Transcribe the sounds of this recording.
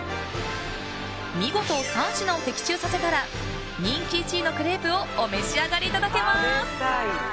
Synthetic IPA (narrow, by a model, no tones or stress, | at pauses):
mʲiɡo̞t̪o̞ːsãɰ̃ɕinaot̪e̞kʲi̥t͡ɕɨːsase̞t̪aɾa | ɲ̟ʲĩŋkʲit͡ɕiːno̞kɯ̟ɾe̞ːbɯ̟o̞ːme̞ɕiaɡaɾʲiːt̪ad̪ake̞mḁ